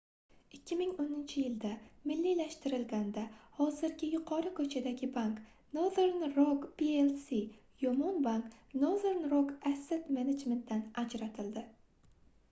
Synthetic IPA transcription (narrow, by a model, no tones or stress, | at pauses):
ɪkʲʰːɪmɪŋonɪnt͡ʃʰɪjɪld̪amɪlːilaʃt̪ɪɾɪlɡʲand̪ahɒzɪɾɡʲɪjʊqʰɒɾɪkʰɵt͡ʃʰad̪aɡʲɪbaŋk | noðeɾnɾokbielsi | jomɒnbaŋknoðeɾnɾokaset̪mened͡ʒme̞nt̪̚d̪anad͡ʒɾat̪ʰɪld̪ɪ